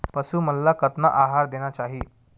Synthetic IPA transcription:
pəsuːməlːakət̪naʔaɦaɾd̪eñjat͡ɕaɦiː

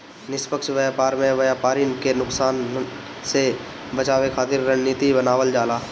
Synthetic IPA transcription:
nɪspəkʃʋəjaːpaːɾmẽʋəjaːpaːɾinkenʊksaːn | se | bət͡ʃaːʋekʰaːt̪ɪɾːənnːiːt̪ibənaːʋəld͡ʒaːlaː

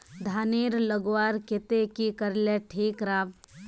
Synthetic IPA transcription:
d̪ʱaːneːɾləɡʋaːɾket̪ekikəɾleʈʰiːkɾaːb

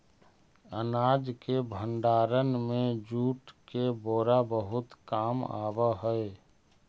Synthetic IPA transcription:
ənaːd͡ʒkebʱənɖaːɾənmẽd͡ʒuːʈkeboːɾabəɦʊt̪kaːma̰ːbəɦəe

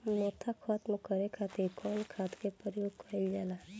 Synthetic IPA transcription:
mot̪ʰakʰɔt̪mokəɾekʰat̪ekʰɔlkʰat̪kepəɾijoɡkʰajld͡ʒala

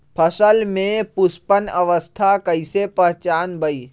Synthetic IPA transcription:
pʰəsəlmẽpʊspənəʋəst̪ʰakəɪsepəɦt͡ʃaːnbəi

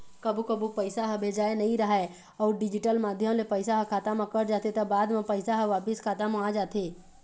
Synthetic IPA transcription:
kəbukəbupəɪsaɦəbʱeːd͡ʒaːenɐɦĩɾəɦɛ | ɔːɾɖɪd͡ʒɪʈəlmaːd̪ʱjəmlepəɪsaɦəkʰaːt̪amãkəɾd͡ʒaːt̪et̪ɐbaːd̪mẽpəɪsaɦəʋaːpɪskʰaːt̪amaːd͡ʒaːt̪eː

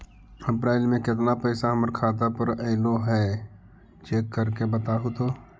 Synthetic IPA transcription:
əpɾaːɪlmẽkɪt̪napəɪsaɦəməɾkʰaːd̪apəɾɛːloɦɛː | t͡ʃeːkːəɾkebət̪aɦot̪oː

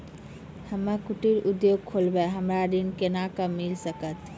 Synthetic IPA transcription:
həmːakuʈiɾud̪joɡ̚kʰolbɛɦəmɾad̪inkenakəmilsəkət̪

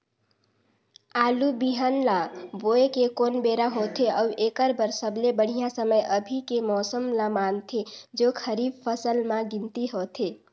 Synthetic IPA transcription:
aːlubiɦanlaboekekonbeɾaɦot̪ʰeəwekəɾbəɾsəblebəɽ̤ijãsəməjʔəbʱikemɔːsəmlamant̪ʰed͡ʒokʰəɾibpʰəsəlmaɡint̪iɦot̪ʰe

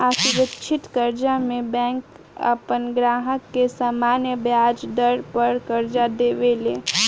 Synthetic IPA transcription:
aːsʊɾəkʃʰɪt̪kəɾd͡ʒamẽbɛ̃ːk | ə̰pənɡɾaːɦəkːesaːmaːnjəbjaːd͡ʒd̪əɾpəɾkəɾd͡ʒad̪eːʋeleː

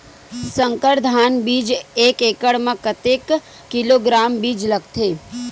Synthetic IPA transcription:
sə̃ŋkəɾd̪ʱaːnbiːd͡ʒeːkeːkəɽmãkət̪eːkː | ɪloːɡɾaːmbiːd͡ʒlɐɡt̪ʰeː

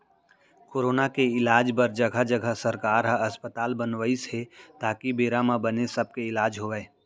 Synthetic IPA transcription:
koːɾoːnakeɪlaːd͡ʒpɐɾd͡ʒɐɡʱəd͡ʒəɡʱəsɐɾkaːɾɦəɐspət̪aːlbənʋəisɦet̪aːkibeːɾamãbənesɐb̚keɪlaːd͡ʒɦoːʋeː

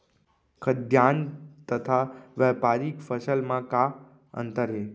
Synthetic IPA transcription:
kʰəd̪ʱjant̪ət̪ʰaʋɛpaɾikfəsəlmãka | ə̰nt̪əɾɦe

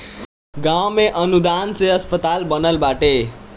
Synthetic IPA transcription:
ɡawmeʔʌnud̪anseʌspət̪albʌnʌlbaʈe

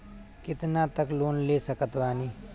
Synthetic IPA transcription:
kɪt̪nat̪əkloːnleːsəkət̪ʋaːniː

